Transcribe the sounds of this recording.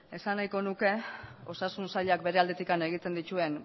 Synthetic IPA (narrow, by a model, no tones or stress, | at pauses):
e̞sanajko̞nuke̞ | o̞sasunsaʎak̚be̞ɾe̞ald̪e̞t̪ikane̞ɣ̞it̪e̞nd̪it̪ue̞n